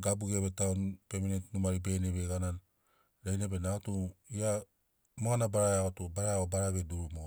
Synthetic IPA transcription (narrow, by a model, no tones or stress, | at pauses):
ɡabuɡeβetaonpeminetnumaɾibeneβeɡanan | ɾejnebenaɡotuia | moɡanabaɾaaɡotubaɾaobaɾaβeduɾumo